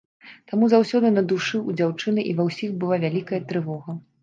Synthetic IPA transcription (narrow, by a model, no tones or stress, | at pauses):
t̪amuzawsʲɔd̪ɨnɐd̪uʂɨud͡zʲawt͡ʂɨnɨʔivɐwsʲixbɨlˠavʲalʲikɐjɐt̪ɾɨvɔɣɐ